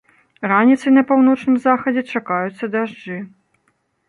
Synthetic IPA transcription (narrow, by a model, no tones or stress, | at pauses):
ranʲit̪sɐjnɐpawn̪ɔt͡ʂnɨmzaxɐd͡zʲɛt͡ʂakajut̪sːɐd̪aʐd͡ʐɨ